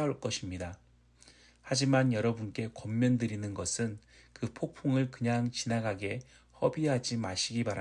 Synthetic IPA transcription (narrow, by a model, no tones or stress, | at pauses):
auɭk͈ʌɕʰimɲida | had͡ʑimanjʌɾʌbunk͈e̞kʌmːjʌndɯɾinɯnɡʌsʰɯnkɯpʰok̚pʰoŋɯɭkɯɲaŋt͡ɕinaɡaɡe̞ | hʌbiɦad͡ʑimaɕʰiɡipaɾa